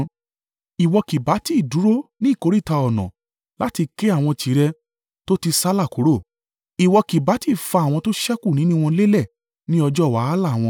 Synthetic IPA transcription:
i˨wɔ˧ki˨ba˨˦ti˦˨du˨˦ɾo˦nĩ˦˨ko˨˦ɾi˦˨ta˧ɔ˨nɔ̰̃˨ | la˦ti˧ke˦a˦˨w̃ɔ̃˧tʰi˨˦ɾɛ˧ | to˦ti˧sa˦la˦˨ko˨˦ɾo˦˨ | i˨wɔ˧ki˨ba˨˦ti˦˨fa˧a˨w̃ɔ̃˧to˦ʃɛ˦ku˦˨nĩ˨˦nũ˦˧w̃ɔ̃˧le˦lɛ˦˨ | nĩ˦ɔ˧d͡ʒɔ˦˨wa˨˦a˦la˦˨w̃ɔ̃˧

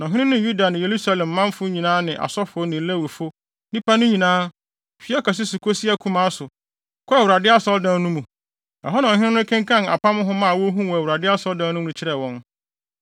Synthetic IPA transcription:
nɔ̃˨ɦɪ˦nɪ̃˦nʊ̃˦ju˦da˨nɪ̃˨je˨ɾu˦sa˦lɛ̃˨mː˨ã˦mfʊ˦ɲĩ˨nãː˦nɪ̃˨ʔa̰˨sɔ˦fʊ˨ɔ˦nɪ̃˨˦læ˦wi˨fo˦ | nĩ˦pʰa˦nʊ̃˦ɲĩ˨nãː˦ | fi˨˦ɔ˦ka˨s̬ɪ˦su˨kʰo˦si˦a˦kʰu˦mã˦sʊ˨ | kʰɔ˦a˨wɾa˨dɪ˦a˦sɔ˦ldã˨˦nũ˦mũ˨ | a˨ɦɔ˦nã˨ɔ̃˨ɦɪ̃˦ɪ̃˦nʊ̃˦kʰã˦ŋkʰã˦na̰˨pʰa˦mʊ̃˦ɦʊ̃˦mã˦˨wɔ˦ɦũ˦wɔ˨wu˨ɾa˨dɪ˦a˦sɔ˦ldã˨˦nʊ̃˦m˦ʊ̃˨t͡ɕʰɪ˦ɾɛ˨wɔ̃˦n

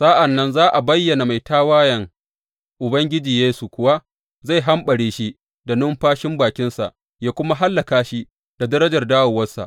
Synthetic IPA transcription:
saː˦ʔa˨nːɐ˦nzaː˦ʔa˨bɐ˦jːɐ˨na˨ma˨jtaː˦waː˦jɐ˨ŋ | ʔʊ˨bɐ˦ŋɡʲɪ˦d͡ʒiː˨jeː˦su˨kʷʊ˦wa˦ | za˦˨jɦa˦mɓɐ˨ɽieː˦ʃi˦ | da˨nʊ˦mɸaː˦ʃɪ˦mbaː˨kʲɪ˦nsa̰˨ʔ | jaː˦kʷʊ˦ma˦ɦa˦lːɐ˨kaː˦ʃi˦ | d̥a˨dɐ˦ɾɐ˦d͡ʒɐ˨rdaː˦wɐ˨wɐ˦sa̰˨

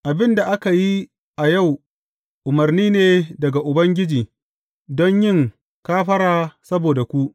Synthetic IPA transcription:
ʔa˨bɪ˦nda˨ʔa˦ka˨ji˦ | ʔa˨ja˦˨w | ʔʊ˨mɐ˨rniː˦neː˨dɐ˨ɡa˨ʔʊ˨bɐ˦ŋɡʲɪ˦d͡ʒiː˨ | dɔ˦ɲjɪ˦˨ŋ | kaː˦ɸɐ˦ɽaː˨sɐ˦boː˨da˨kʷu˦ʔ

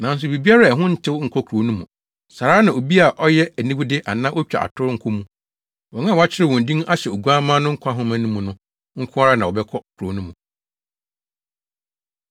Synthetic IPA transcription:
nã˨n̩˦s̬ʊ˨bi˨bi˦a˦ɾa˦˨ɛ˨ɦʊ̃˦n̩˦tʰɪ˦wŋ̩˨kʰɔ˦kʰu˨ɾo˨nũ˦mũ˨ | sa˨ɾaː˦nã˨o˨bi˦a˨ʔɔ˦jɛ˦æ˨nĩ˦bu˦dɪ˦ʔa˨nã˦ʔo˦t͡ɕᶣa̰˨ʔa̰˨tʰʊ˦ɾŋ̩˦kʰʊ˦mũ˨ | wɔ̃˨ŋã˦˨wa˦t͡ɕʰɪ˦ɾɪ˦wɔ̃˨n̩˨dĩ˦ŋa˦ɕɛ˨o˨ɡu˦a˦mãː˦nʊ̃˦ŋ̩˦kʷʰã˦ɦʊ̃˦mã˨nũ˦mũ˨nʊ̃˦ | ŋ̩˦kʰʊ̃˦a˦ɾa˦nã˨ɔ˨bɛ˦kʰɔ˦kʰu˨ɾo˨˦nũ˦mũ˨

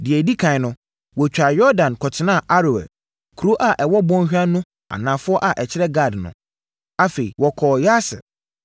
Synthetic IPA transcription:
dɪ˨ɛ˨di˦kʰã˨nʊ̃˦ | wɔ˨t͡ɕᶣa˨jɔ˦ɾdã˨nkʰɔ˨tʰɪ˨nã˦˨ʔa˦ɾo˨ɛ̰˨ | kʰu˨ɾo˦ʔa˨ʔɛ˨wɔ˦bɔ̃˦n˦ɕᶣa˦nʊ̃˦ | a̰˨nã˨fʊ˦ɔ˦ʔa˨ʔɛ˨t͡ɕʰɪ˦ɾɛ˦ɡa˦˨dnʊ̰̃˨ | a˦fe˨ḭ˨wɔ˨kʰɔː˨ja˦sɪ̰˨

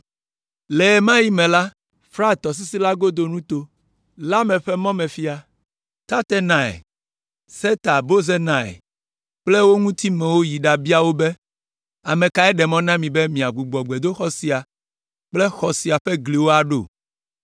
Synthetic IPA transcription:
lɛ˨ɛ˨mã˦ji˦mɛ̃˨la˦ | fɾa˦˨t̪ɔ˨s̬i˦si˦la˦ɡo˦d̪o˨nũ˦t̪o˦ | la˦mɛ̃˨ɸɛ˦mɔ̃˦mɛ̃˨fi˦a˨ | t̪a˦t̪ɛ˦nã˨ɛ̰˨ | sɛ˦t̪a˨bo˦ze˦nã˨ɛ̰˨ | k͡ple˦wo˦ŋũ˦t̪i˦mɛ̃˨wo˦ji˨ɖa˨bi˦a˦˨wo˦be˦ | a˨mẽ˨ka˨ɛ˦ɖɛ˨mɔ̃˦nã˦mĩ˨bɛ˦mĩ˨a˨ɡu˨ɡ͡bɔ˨ɡ͡be˨d̪o˦xɔ˦si˨a˨ | k͡ple˦xɔ˨si˨a˨ɸɛ˦ɡli˨wo˦a˨ɖo̰˦˨

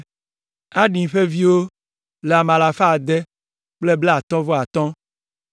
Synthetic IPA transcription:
a˦ɖĩ˨ɸe˦vi˦wo˦ | le˨a˨mã˨la˨fa˦˨d̪ɛ˦ | k͡ple˦ble˦a˨t̪ɔ̃˦vɔ˦a˨t̪ɔ̃˦

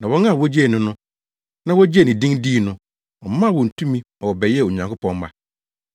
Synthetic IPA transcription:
nã˨wɔ˦na˦˨wɔ˦d͡ʑe˦˨nʊ̃˨nʊ̃˦ | nã˦wɔ˦d͡ʑe˦˨nɪ̃˨dĩ˦ŋdiː˦˨nʊ̃˦ | ɔ˨m˦mã˦˨wɔ̃˨n̩˨tʰũ˦mĩ˦ | ɔ˨wɔ˨bɛ˨jɛ˦˨o˨ɲã˨ŋkʊ˦pʰɔ̃˨m˦ma̰˨

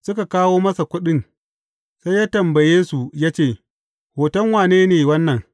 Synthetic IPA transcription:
sʊ˦ka˨kaː˦woː˦mɐ˦sa˨kʷʊ˦ɗɪ˦n | sa˦jaː˦tɐ˨mbɐ˨jeː˦su˨jaː˦t͡ʃeː˦˨ | hoː˨tɐ˦ŋwaː˨neː˦neː˨wɐ˦nːɐ˨ŋ

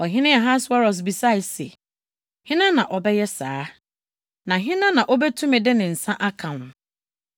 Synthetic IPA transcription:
ɔ˨ɦɪ̃˦nɪ̃˦a˨ɦa˦sa˦ɾɔ˨s̬bi˨sa˦˨sḛ˨ | hɪ̃˦nã˦nã˨ʔɔ˨bɛ˦jɛ˦saː˦ | nã˨ɦɪ̃˦nã˦nã˨ʔɔ˦bɛ˦tʰũ˦mɪ̃˨dɪ˦nɪ̃˨n̩˨sã˦ʔa˦kʰã˨nʊ̃˨

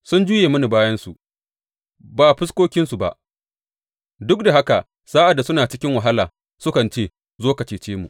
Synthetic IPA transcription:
sʊ˦nd͡ʒuː˦jeː˨mɐ˦ni˨baː˦jɐ˦nsu˨ʔ | baː˨ɸɪ˦skʷoː˦kʲɪ˦nsu˨ba̰˨ʔ | dʊ˦k̚da˨ha˦ka˨ | saː˦ʔa˨dːa˨sʊ˦naː˨t͡ʃɪ˦kʲɪ˦ŋwa˨ɦa˦laː˨ | sʊ˦kɐ˨nt͡ʃeː˦˨ | zoː˦kɐ˨t͡ʃeː˨t͡ʃeː˦mṵ˨ʔ

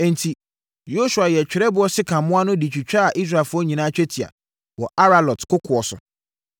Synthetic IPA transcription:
ɛ̃˨n˨tʰi˨ | jo˦su˨a˨jɛ˨t͡ɕᶣɪ˨ɾɛ˦bʊ˦ɔ˦sɪ˦kʰã˨mʊ̃˦a˦nʊ̃˦di˨t͡ɕᶣi˨t͡ɕᶣa˦a˨ʔi˦s̬ɾa˨lfʊ˦ɔ˦ɲĩ˨nãː˦t͡ɕᶣɛ˦tʰi˨a̰˨ | wɔ˨ʔa˦ɾa˨lɔ˨tkʰʊ˦kʰʊ˨ɔ˨sʊ̰˨

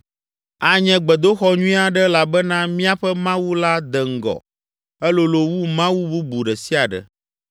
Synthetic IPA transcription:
a˨ɲɛ̃˨ɡ͡bɛ˨d̪o˦xɔ˦ɲũ˦ĩ˦a˨ɖɛ˦la˨bɛ˦nã˦mĩ˦a˦ɸɛ˦mã˦wu˦la˦d̪ɛ˨ŋ̩˦˨ɡɔ̰˨ | ɛ˦lo˦lo˨wu˦mã˦wu˦bu˦bu˨ɖɛ˨si˦a˨ɖɛ̰˨

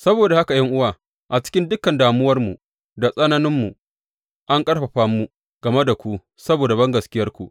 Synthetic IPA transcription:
sɐ˦boː˨da˨ha˦ka˨jɐ˦ŋʔʊ˦waː˨ | ʔa˨t͡ʃɪ̥˦kʲɪ˦ndʊ˦kːɐ˨ndaː˨mʊ˦wɐ˦rmu˨ | da˨sʼɐ˦nɐ˦nɪ˦mːu˨ | ʔa˦ŋkʼɐ˦ɽɸɐ˨ɸaː˦mːu˦ | ɡ̥ɐ˨me˦da˨kʷu˦ | sɐ˦boː˨da˨bɐ˦ŋɡɐ˨skʲɪ˦jɐ˦rkʷṵ˨ʔ

